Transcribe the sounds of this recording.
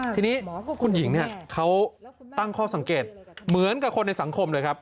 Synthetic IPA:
iː˧niː˦˥kʰu˧nji˩˦ŋni˥˩ɐkʰa˦˥wt̪a˥˩ŋkʰɔː˥˩sa˩˦ŋkeː˨˩t̪̚mɯ˩˦ənka˨˩kʰo˧nːa˧jsa˩˦ŋkʰo˧mlɤː˧jkʰa˦˥p̚

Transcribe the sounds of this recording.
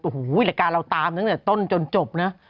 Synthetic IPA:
huː˩˦jlɛ˨˩kaː˧la˧wt̪aː˧mna˦˥t̪ɛː˨˩t̪o˥˩˨nt͡ɕo˧nt͡ɕo˨˩p̚na˦˥ʔ

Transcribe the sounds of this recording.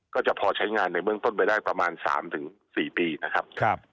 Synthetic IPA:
kɔː˥˩t͡ɕa˨˩pʰɔː˧t͡ɕʰa˦˥jŋaː˧nːa˧jbɯ˥˩əŋt̪o˥˩np̬a˧jdaː˥˩jpɾa˧maː˧nsa̰ː˩˦mt̪ʰɯ˩˦ŋsiː˨˩piː˧na˦˥kʰa˦˥p̚kʰa˥p̚

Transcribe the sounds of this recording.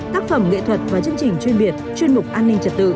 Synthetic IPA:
t̪aː˦˥k̚fə˨˧˩mŋḛ˧˨t̪ʰwə˨˩t̚vaː˨˩t͡ɕə˧ənt͡ɕï˨˩ŋ̟t͡ɕwi˧nɓi˨˩ət̚t͡ɕwi˧ənmʊ˨˩k͡p̚ʔaː˧nːï˧ŋ̟t͡ɕə˨˩t̚t̪ɨ̰˧˨

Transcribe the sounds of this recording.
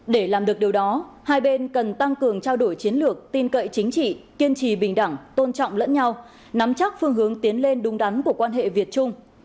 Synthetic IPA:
ɗe˧˩laː˨˩mɗɨ˨˩k̚ɗi˨˩wɗɔ˨˦haː˧jɓe˧nkə˨˩nt̪a˧ŋkɨ˨˩əŋt͡ɕaː˧wɗo˧˩jt͡ɕi˨˦ənlɨ˨˩ək̚t̪i˧nkə̰˧˨jt͡ɕï˨˦ŋ̟t͡ɕḭ˧˨ki˧ənt͡ɕi˨˩ɓï˨˩ŋ̟ɗa˧˩ŋt̪o˧nt͡ɕɔ̰˧˨wŋ͡mlə̰˧˥nɲa˧w | na˨˦mt͡ɕa˦˥k̚fɨ˧əŋɦɨ˨˦əŋt̪i˨˦ənle˧nɗʊ˨˦ŋ͡mɗa˨˦nku˧˩əkwaː˧nɦḛ˧˨vi˨˩ət̚t͡ɕʊ˧ŋ͡m

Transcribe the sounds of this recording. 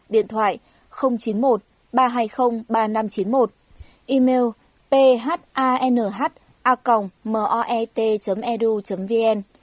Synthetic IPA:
ɗḭ˧˨ənt̪ʰwa̰ː˧˨j | xə˧wŋ͡mt͡ɕi˨˦nmo˨˩t̚ | ɓaː˧ɦaː˧jxə˧wŋ͡mɓaː˧na˧mt͡ɕi˨˦nmo˨˩t̚ | ʔi˧me˧w | pe˧ɦaː˦˥t̚ʔaː˧ʔɛ˧nəː˧˩ɦaː˦˥t̚ | ʔaː˧ka˨˩wŋ͡mməː˨˩ʔɔ˧ʔɛ˧t̪e˧t͡ɕə˨˦mʔɛ˧ɗu˧t͡ɕə˨˦mvi˧ʔɛ˧n

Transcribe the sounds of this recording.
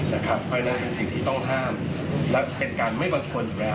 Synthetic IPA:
na˦˥˩kʰa˦˥p̚pʰaː˧jna˧˥pe˧nsi˨˩ŋt̪ʰiː˥˩t̪ɔ˥˩ŋɦaː˥˩m | lɛ˦˥pe˧nkaː˧nma˥˩jba˧ŋkʰu˧ən˨˩lɛː˦˥

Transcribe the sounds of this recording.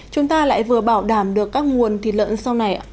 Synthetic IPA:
t͡ɕʊ˨˦ŋ͡mt̪aː˧la̰ː˧˨jvɨ˨˩əɓaː˧˩wɗaː˧˩mɗɨ˨˩əkːaː˦˥k̚ŋu˨˩ənt̪ʰi˧˩lə̰ː˧˨nsa˧wna˨˩jʔ

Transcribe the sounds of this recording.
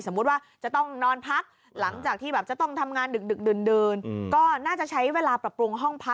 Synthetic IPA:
so˩˦mːu˦˥t̪̚waː˥˩t͡ɕa˨˩t̪ɔ˥˩ŋnɔː˧npʰa˦˥k̚ | la˩˦ŋt͡ɕaː˨˩k̚t̪ʰiː˥˩bɛː˨˩p̚t͡ɕa˨˩t̪ɔ˥˩ŋt̪ʰa˧mŋaː˧ndɯ˨˩k̚dɯ˨˩k̚dɯ˨˩ndɤː˧nkɔː˥˩naː˥˩t͡ɕa˨˩ʔt͡ɕʰa˦˥jweː˧laː˧pɾa˨˩pɾu˧ŋɦɔ˥˩ŋpʰa˦˥

